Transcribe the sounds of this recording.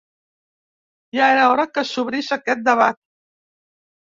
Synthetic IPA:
jaeɾaɔɾəkəsuβɾiʃakɛt̪̚d̪əβat̪̚

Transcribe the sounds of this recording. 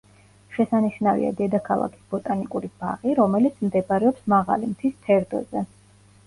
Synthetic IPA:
ʃɛsaniʃnavḭa̰d̪ɛd̪akʰalˠa̰kʰi̥sbɔt̪ʼanikʼuɾib̥a̰ʁiɾɔmɛlit̪sʰmd̪ɛbaɾɛɔpsmaʁa̰limt̪ʰisp̪ʰɛɾd̪ɔ̰zɛ

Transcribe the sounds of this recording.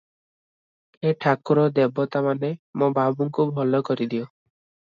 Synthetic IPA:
eʈʰakuɾɔd̪ebɔt̪amanemõbabuŋkubʱɔlɔkɔɾid̪iɔ

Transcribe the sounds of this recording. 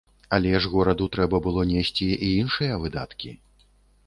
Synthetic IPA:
alʲɛʐɣɔɾɐd̪ut̪ɾɛbɐbɨlˠɔnʲesʲt͡sʲiʔiinʂɨjɐvɨd̪a̰t̪kʲi

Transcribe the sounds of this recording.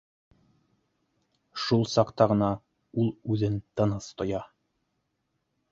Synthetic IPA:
ʃulˠsɑqt̪ɑʁɤ̆nɑ | ulˠʉðɘnt̪ɤ̆nɤst̪ŏjɑ

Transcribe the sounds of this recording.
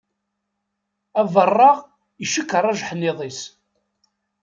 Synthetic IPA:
ævərˤːɑʁ | iʃəkːərˤːɑʒħənːɪðˤis

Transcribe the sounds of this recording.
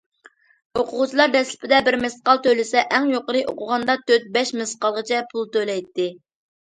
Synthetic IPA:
oqʰʊʁʊt͡ʃʰilˠɑɾd̪ɛslɪ̥pʰɪd̪ɛbɪɾmɪsqɑlˠt̪ølɪsɛʔɛŋjoqəɾɨʔo̰qʊʁɑnd̪ɑt̪ʰøt̪̚bɛʃmɪsqɑlˠʁət͡ʃʰɛpʰulˠt̪ølɛjt̪ːɪ

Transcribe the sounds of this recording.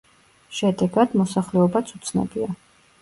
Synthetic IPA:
ʃɛd̪ɛɡad̪̥mɔsaχlɛɔbat̪sʰut̪sʰnɛ̰bia

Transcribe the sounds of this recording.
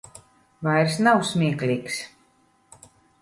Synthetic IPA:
vajɾsnawsmʲiɛklʲiːks

